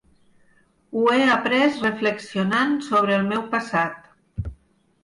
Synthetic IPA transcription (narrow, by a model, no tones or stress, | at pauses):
ueapɾɛsrəfləksionansoβ̞ɾəːlˠmɛwpəsat̪̚